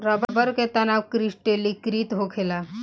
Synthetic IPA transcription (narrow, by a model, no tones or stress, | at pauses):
ɾəbəbəɾket̪anawkɾisʈelːikɾiːt̪ɦokʰela